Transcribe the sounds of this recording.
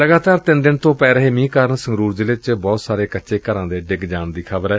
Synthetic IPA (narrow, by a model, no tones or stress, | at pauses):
ləɡaːt̪aːɾt̪ɪnd̪ɪnt̪õːpɛːɾəɦeːmĩːkaːɾənsə̃ŋɡɾuːɾd͡ʒɪlɪt͡ʃbɔːt̪saːɾeːkətːʃeːkəɾãːd̪eːɖɪɡd͡ʒaːɳd̪iːkʰəbəɾɛː